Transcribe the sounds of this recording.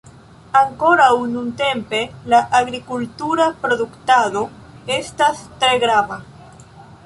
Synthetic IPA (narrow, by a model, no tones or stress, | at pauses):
aŋko̞ɾawnunt̪e̞mpe̞laʔaɡɾikult̪uɾapɾo̞ðuktaðo̞ | e̞stast̪ɾe̞ɡɾava